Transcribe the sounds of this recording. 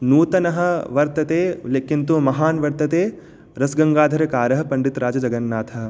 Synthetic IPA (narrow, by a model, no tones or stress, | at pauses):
nuːt̪ɐnɐɦɐ̆ʋɐɾt̪ɐt̪eːleːkint̪umɐɦaːnʋɐɾt̪ɐt̪eː | ɾɐsɡɐŋɡaːd̪ʱɐɾɐkaːɾɐɦɐ̆pɐɳɖit̪ɾaːd͡ʒɐd͡ʒɐɡɐnːaːt̪ʰɐ